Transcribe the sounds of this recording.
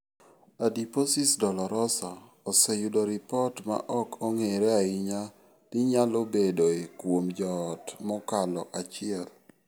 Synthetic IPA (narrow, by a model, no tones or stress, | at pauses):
adiposisdɔlɔɾɔsa | ɔsejudɔɾipɔrtma̰ʔɔkʰɔŋeɾeaiɲa | d̥ɪɲalobedoekwomd͡ʒɔːtmɔkalɔʔat͡ʃɪɛl